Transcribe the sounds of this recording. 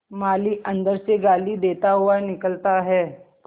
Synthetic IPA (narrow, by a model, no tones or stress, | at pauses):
maːliʔɐ̃nd̪əɾseɡaːlid̪eːt̪aɦʊanɪkəlt̪aɦɛː